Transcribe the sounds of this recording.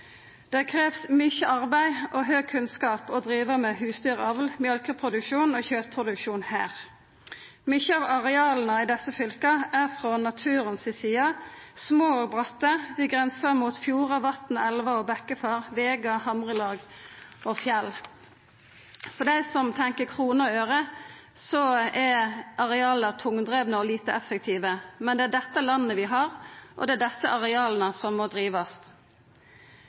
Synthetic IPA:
d̪̥æʁkʰʁeːʋsmʏçəʔɑʁbæɪʔoːɦøːɡ̚kʰʉnskɑːpɔd̪ʁiːʋəmeːhʉːsd̪yːʁɑʋlmjœlkəpʰʁʊd̪ʉkʃuːnoːçøːt̪pʰʁʊd̪ʉkʃuːnhæ̰ːʁ | mʏçəɑːʋɑʁɛɑːln̩əɪd̪ɛsəfʏlkɑæːʁfʁɔnɑt̪ʰʉːʁənsɪsiːɑsmoːoːɡ̚bʁɑt̪ːəd̪ɪɡʁɛnsəʁmuːt̪fjuːʁɑʋɑt̪n̩ɛlʋɑoːbɛkəfɑːʁʋeːɡɑhɑmʁəlɑːɡɔfjɛl | fɔɖ̪æɪsɔmt̪ʰɛŋkəkʰʁuːnəɔøːʁə | sɔæʔɑʁɛɑːlət̪ʰʊŋd̪ʁeːʋnəɔliːt̪əʔɛfːək̚t̪ʰiːʋəmɛnd̪ɛæɖ̪ɛt̪ːəlɑnːəʋɪɦɑʁʔɔ̰d̪ɛæd̪ɛsːəʔɑʁɛɑːlnəsɔmːɔd̪ɾiːʋɑst̪

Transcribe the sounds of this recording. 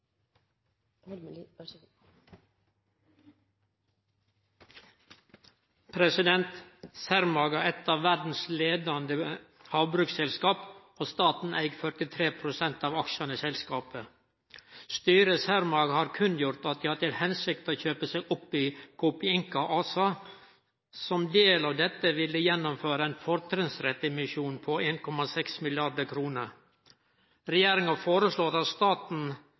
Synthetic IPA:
pʰɾɛsɪd̪ɛnt̪sæɾmɑːɡɑɛt̪ɑːʋʋæɾd̪n̩sleːd̪ɑnd̪ə | hɑːʋbɾʉːksɛlskɑːp | oːst̪ɑːt̪n̩ʔæɪɡfœʈɪt̪ʰɾeːpʰɾʊsɛnt̪ɑːʋɑkʃɑnəsɛlskɑːpə | st̪yːɾəshæɾmɑɡhɑːɾkʰʉnjʊɾt̪ɑt̪̚d̪ɪːhɑʈ̪ɪlhɛnsɪk̚t̪ɔçøːpəsɛɪɡʔɔpːɪkʰɔpɪɪŋkɑʔɑːsɑ | sɔmd̪eːlɑʋd̪ɛt̪ːəʋɪlːəjɛnːɔmføːɾəæɪnfɔɾt̪ʰɾɪŋsɾɛt̪ːɛmɪʃjuːnpʰɔeːnkʰɔmɑsɛksmɪlɪɑɖ̪əkʰɾuːnəɾ | ɾɛjeːɾɪŋɑfoːɾəsloːɾɑt̪st̪ɑːt̪n̩

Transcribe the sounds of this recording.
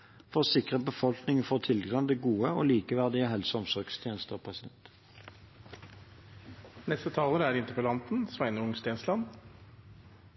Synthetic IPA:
fɔʁsɪkʁəbəfɔlknɪŋəfɔːʁt̪ʰɪlɡʁɑnd̪ɛɡuːəo̰ːliːkəʋæʁd̪ɪəɦɛlsɔmsɔʁɡst̪ʰjeːnəst̪əopʰɑsɪɛ̰nt̪ | nɛst̪ət̪ʰɑːləɾəæɾɪnt̪əpəlɑnt̪n̩sʋæɪnəʊŋst̪eːnslɑn

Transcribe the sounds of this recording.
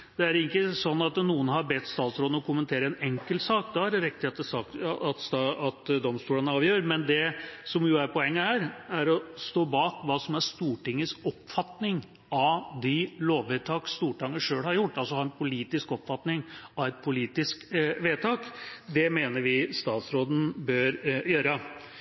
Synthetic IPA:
d̪̥ɛæɾɪkːəsɔnːɑt̪nuːənɦɑɾbɛt̪ːst̪ɑːt̪sɾoːd̪̩ɔkʰʊmənt̪ʰeːɾəɛnɛŋkəlsɑːkd̪ɑhɑɖɛɾɛkt̪ɪeːt̪ːəsɑkːt̪sɑt̪d̪ɔmst̪uːlənəɑːʋjøːɾmɛnd̪ɛsɔmjʊæɾpʰɔɛŋːəhæːɾæɾɔst̪oːbɑːkʋɑːsɔmæɾst̪uːʈɪŋːəsɔpfɑt̪nɪŋ | ɑʋd̪ɪloːʋʋeːt̪ʰɑːkst̪uːʈɑŋːəʂøːlhɑɾjʊʈːɑlsɔhɑɾɛnpʰʊliːt̪ɪskɔpfɑt̪nɪŋɑʋɛt̪̚pʰʊliːt̪ɪskʋeːt̪ʰɑːkd̪ɛmeːnəɾʋɪst̪ɑːt̪sɾoːd̪n̩bøːɾjøːɾə

